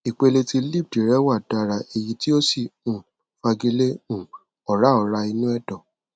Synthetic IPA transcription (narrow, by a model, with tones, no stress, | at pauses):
i˨k͡pe˧le˧ti˧li˦˨b̚di˨ɾɛ˦wa˦˨da˧˨ɾa˨e˨ji˧ti˦o˦si˦˨ũ˨ | fa˧ɡi˧le˦ũ˨ | ɔ˨ɾa˨˦ɔ˧ɾa˧i˧nũ˦ɛ˦˨dɔ˨